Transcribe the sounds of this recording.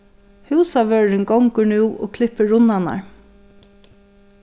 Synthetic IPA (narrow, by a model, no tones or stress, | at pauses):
hʉːsaʋœɹɪŋɡɔŋkʊnʉːʔo̰ɔ̰kʰlɪpəɹʊnːana̰ɹ